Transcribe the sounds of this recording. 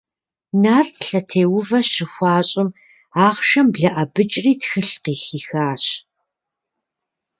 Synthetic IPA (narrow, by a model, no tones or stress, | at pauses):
naːrtɬɐtʰeːwʊvɐɕɪxʷɑːɕʼɪm | aːʁʃɐmbɮɐʔɐbɨt͡ʃʼriːtxɨɬqiːxiːxaːɕ